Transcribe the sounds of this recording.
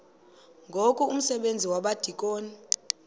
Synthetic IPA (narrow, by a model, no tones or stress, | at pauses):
ŋɡʱokʼuum̩sɛɓend͡zʱiwaɓad̥ʱikʼoːni